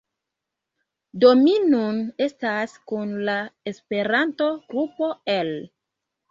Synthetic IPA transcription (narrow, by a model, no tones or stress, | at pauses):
dominnune̞staskunlaespe̞ɾanto̞ɡ̥ɾupo̞el